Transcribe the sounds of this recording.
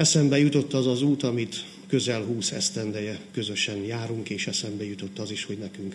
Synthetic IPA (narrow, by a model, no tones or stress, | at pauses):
ɛsɛmbɛjut̪o̞t̪ːɒzɒzuːt̪ɒmit̪ | kø̞zɛlɦuːsɛ̰st̪ɛnd̪ɛjɛkø̞zø̞ʃɛnjaːɾuŋkeːʃɛsɛmbɛjut̪o̞t̪ːɒziʃho̞ɟnɛkyŋk